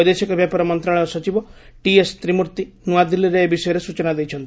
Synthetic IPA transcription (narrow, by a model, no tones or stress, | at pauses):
d̪esikɔbjapɔɾɔmɔnt̪ɾaɭɔjsɔt͡ʃibɔʈiest̪ɾimuɾt̪inuad̪ilːiɾeebisɔjɔɾesut͡ʃɔnad̪ejt͡ʃʰɔnt̪i̥